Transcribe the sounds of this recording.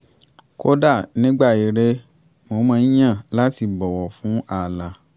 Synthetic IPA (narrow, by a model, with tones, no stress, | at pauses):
ko˦da˦˨nĩ˦ɡ͡ba˦˨i˨ɾe˦ | mo˧˦mãː˧˦jã˦˨la˦ti˧bɔ˨wɔ˨fũ˨˦a˨la˧